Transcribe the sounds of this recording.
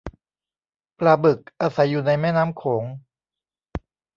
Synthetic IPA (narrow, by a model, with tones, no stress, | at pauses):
plaː˧˩bɯ˨˩k̚ʔaː˧sa˨˩˦jːuː˨˩na˧jmɛː˥˩naː˦˥mkʰoː˩˦ŋ